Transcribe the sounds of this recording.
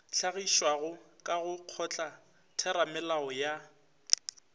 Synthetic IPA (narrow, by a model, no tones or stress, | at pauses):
t͡ɬʰaɣiʃwaɣʊkʼaɣʊq͡χʰɔt͡ɬʼa | tʰɛɾamɛlaɔja